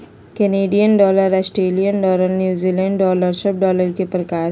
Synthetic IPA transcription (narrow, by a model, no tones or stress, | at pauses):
keneːɖijənɖɔːləɾɐsʈɾeːlijənɖɔːləɾnjuːzilɛ̃ːɳɖɖɔːləɾʃəp̚ɖɔːləɾkepɾɐkaːɾ